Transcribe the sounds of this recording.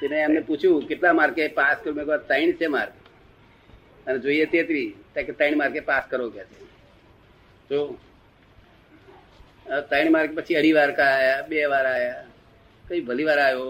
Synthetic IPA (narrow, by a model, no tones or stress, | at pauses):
t̪eneəmneput͡ʃʰũkɪʈlamaːɾkepaskəɾumekat̪əiɳ̃t͡ʃʰema̰ɾke | əned͡ʒoːijet̪et̪ʋit̪ãket̪əɪɳmaɾkepaskəɾokat͡ʃʰe | d͡ʒo | ət̪əiɳ̃maɾkepət͡ʃʰiəɽ̤iʋaɾkaajaɓeʋaɾaːja | kəibʱəliʋaɾaːjo